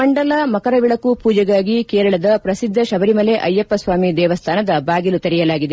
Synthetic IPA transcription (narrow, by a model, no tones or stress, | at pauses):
mɐɳɖɐlaːmɐkɐɾɐʋiɭɐkupuːd͡ʒɐɡaːɡikeːɾɐɭɐd̪ɐpɾɐsid̪ʱːɐʃɐbɐɾimɐleʔɐjːɐpːɐsʋaːmid̪ɛːʋɐst̪ʰaːnɐd̪ɐbaːɡilut̪ɐɾijɐlaːɡid̪e